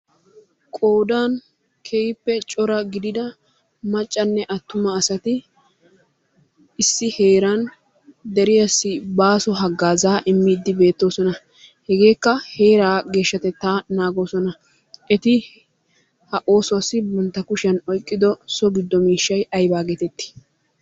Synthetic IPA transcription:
kʼo̞ːd̪aːn | kʰejɪpːɛt͡ʃʼɔɾɐɡɪd̪ɪd̪ɐ | mɐt͡ʃʼːɐnːɛʔɐt̪ːʊmɐːsɐt̪ɪ | ɪsːɪhe̞ːɾɐn | d̪ɛɾɪjɐsːɪbaːsɔɦɐɡːaːzaːʔɪmːɪːd̪ːɪbe̞ːt̪ːo̞ːsɔnɐ | hɛɡe̞ːkːɐhe̞ːɾaːɡe̞ːʃːɐt̪ɛt̪ːaːnaːɡo̞ːsɔnɐ | ʔɛt̪ɪ | hɐʔo̞ːsʊɐsːɪbɔnt̪ːɐkʊʃɐnɔjkʼːɪd̪ɔsɔɡɪd̪ːɔmiːʃːɐjʔɐjbaːɡet̪ɛt̪ːɪ̥

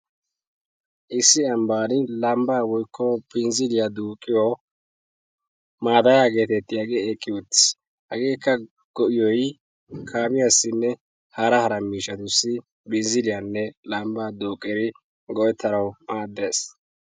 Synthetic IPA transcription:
ʔɪsːɪɐmbaːnɪlɐmbaːwɔjkʰːɔpɪnzɪlɪjɐd̪uːkʼːɪjo | maːd̪ɐjaɡe̞ːt̪ɛt̪ːɪjɐɡeːkʼːɪwɔt̪ːɪ̥s | hɐɡeːkːɐ | ɡ̥ɔʔɪjɔj | kʰaːmɪjasːɪnːɛ | hɐɾɐhɐɾɐmiːʃɐt̪ʊsːɪ | bɪnzɪlɪjanːɛlɐmbaːd̪uːkʼːɛɾɪ | ɡɔʔɛt̪ʰːɐɾɐwmaːd̪ːe̞ːs

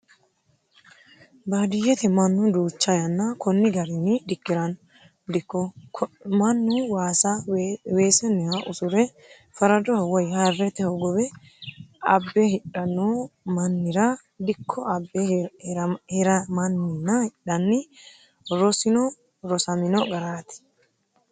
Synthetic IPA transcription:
baːd̪ɪjɛt̪ɛmɐnːʊd̪uːt͡ʃːɐjɐnːɐkɔnːɪɡɐɾɪnːɪd̪ɪkːɪɾɐn | d̪kːɔ | mɐnːʊwaːsaweːsɛnːɛhɐʔʊsʊɾɛ | fɐɾɐd̪ɔhɔwɔjhɐrːɛt̪ɛhɔɡɔbɛ | ɐbːɛhɪᶑɐnːomɐnːɪɾɐ | d̪ɪkʰːɔbːɛɾhɛɾɐmɐnːɪnːɐhɪɗɐnːɪ | ɾɔsɪnɔ | ɾɔsɐmɪnɔɡɐɾaːt̪ɪ̥

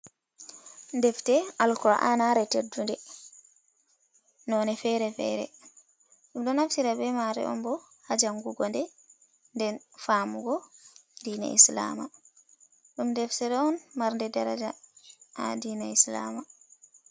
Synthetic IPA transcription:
ndɛftɛʔalkɔa̰ʔanaɾɛtedːundɛ | nɔːnɛfɛɾɛfɛ̰ːɾɛ̰ | ɗumɗɔnaftiɾabɛmaɾɛ̰ʔɔ̰mbɔ | had͡ʒaŋɡuɡɔndɛ | ndɛnfaːmuɡɔdiːna̰isla̰ma | ɗumndɛftɛɾɔɔnmaɾndɛdaɾad͡ʒa̰ʔa̰diːnaisla̰ma

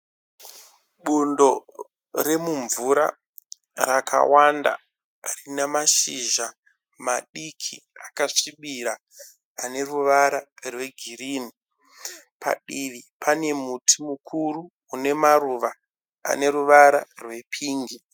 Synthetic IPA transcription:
ɓundo̞ | re̞muɱvuɾa̰ | rakʰa̰wanda̰ | rinemaʃiʒa | maɗikʰiakaʂiɓiɾaː | ne̞ruʋaɾarwe̞ɡʱiriːni | pʰa̰ɗiʋipane̞mutʰimukʰuruː | ne̞maruʋa | a̰ne̞ɾuʋaɾarwe̞pʰiːŋɡi

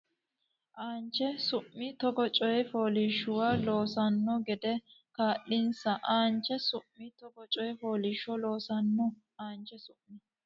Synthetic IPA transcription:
ʔaːnt͡ʃɛsʊʔːɪt̪ɔɡɔt͡ʃʼɔjɛfo̞ːlɪʃːʊwaːloːsɐnːɔɡɛd̪ɛkaːʔːɪnsɐʔaːnt͡ʃːɛsʊmːɪt̪ɔɡɔt͡ʃʼɔjɛfoːlɪʃɔlo̞ːsɐnːɔ | aːnt͡ʃɛsʊmːɪ

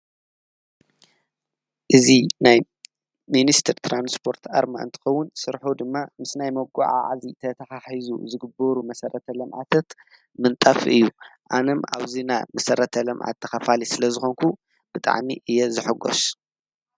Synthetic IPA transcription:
ʔɨzinaj | minist̪ʰɨɾt̪ʰɾanspʰo̞ɾt̪ʰa̰ɾma̰ʔɨ̰nt̪ʰɐ̥xɐwːʊnsɨɾħod̪ɨmːamɨsnajmɐɡʷṵʕa̰ʕazit̪ʰɐt̪ʰɐxaħizṵzɨɡɨboɾumɐsɐɾʔɐt̪ʰɐlɐmʕa̰t̪ʰat̪ | mɨnt̪ʼafɨjːuʔanɐma̰βzina̰mɐsɐɾɐt̪ʰɐlɐmʕa̰t̪ʰːɐxɐfalisɨlɐzɨxoŋkʰu | b̥ɨt̪ʼa̰ʕmḭʔɨjːɛzɨħɨɡo̰s

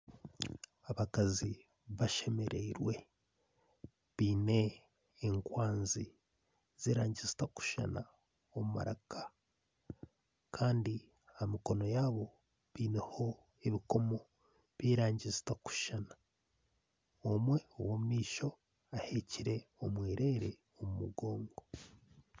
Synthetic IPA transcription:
aβakazi | βaʃe̞me̞ɾeiɾwe̞ | βiːne̞ː | ŋkwaːnzi | z̥iɾaːɲɟizi̥taku̥ʃa̰na̰ | omuma̰ɾa̰kʰḁ | kʰaːndi | amiko̞no̞jaːβo̞ | βiːne̞ho̞ | eβiko̞mo̞ | βiːɾaːɲɟizi̥taku̥ʃana | omwe̞o̰womumiːʃo̞ | ahe̞ciɾe̞omwiːɾe̞ːɾe̞ | omumṵɡo̞ːŋɡo

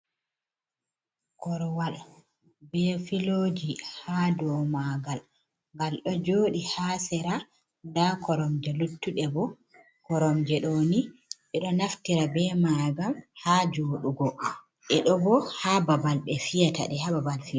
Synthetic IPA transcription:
kɔɾwal | bɛfiloːd͡ʒihadɔmaɡal | ŋɡalɗɔd͡ʒoːɗihaːsɛɾa | ndakɔɾɔmd͡ʒɛlutːuɗɛbɔ | kɔɾɔmd͡ʒɛɗɔniɓɛɗɔnaftiɾabɛmaɡamhaːd͡ʒoːɗuɡɔ | ʔɛɗɔbɔhababalɓɛfijata̰ɗɛhababalfia

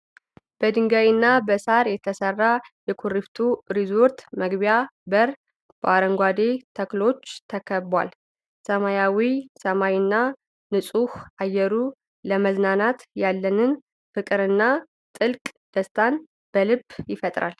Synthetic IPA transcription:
b̥əd̪ɨŋɡawinːabəsaɾjɛt̪ʰəsərːajɛkʰuɾift̪ʰuɾizo̞ɾt̪məɡbjabəɾ | b̥əaɾəŋɡʷad̪et̪ʰəklo̞t͡ʃːt̪ʰəkʰəbːwa̰l | səmajawisəmawinːa | nɨsʼuhajːɛɾu | ləməznanat̪jalːənɨn | fɨkʼɨɾɨnːa | t̪ʼɨlkʼd̪̥əst̪ʰan | b̥əlɨbːjɪfət̪ʼɾa̰l

